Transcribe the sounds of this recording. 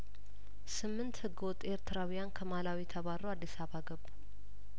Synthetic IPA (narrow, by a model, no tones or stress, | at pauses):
sɨmːɨnt̪hɨɡːɨwɔt̪ʼːe̞ɾt̪ʰɨɾawijankʰəmalawit̪ʰəβaɾowad̪ːisaβaɡəbːu